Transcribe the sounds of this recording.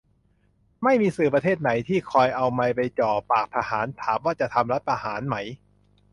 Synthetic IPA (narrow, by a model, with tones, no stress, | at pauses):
ma˥˩jmiː˧sɯː˨˩p̬ɾa˧t̪ʰeː˥˩t̪̚na˩˦jt̪ʰiː˥˩kʰɔː˧jʔa˧wma˧jpa˧jt͡ɕɔː˨˩paː˨˩k̚t̪ʰa˧haː˩˦nt̪ʰaː˩˦mwaː˥˩t͡ɕa˨˩t̪ʰa˧mɾla˦˥t̪̚pʰa˧haː˩˦nma˦˥j